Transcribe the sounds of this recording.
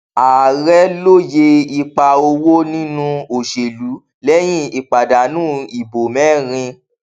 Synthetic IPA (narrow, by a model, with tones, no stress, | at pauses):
a˨ɾɛ˦lo˦je˧i˧k͡pa˧o˧wo˦nĩ˦nũ˦o˨ʃe˨lu˨˦ | lɛ˦j̃ĩ˦i˨k͡pa˨da˨nũː˦i˨bo˨mɛ̃˦˨ɾ̃ĩ˧